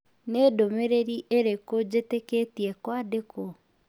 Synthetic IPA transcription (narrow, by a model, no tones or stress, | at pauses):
nedomeɾeɾiʔeɾekod͡ʑeteketiɛkwadeko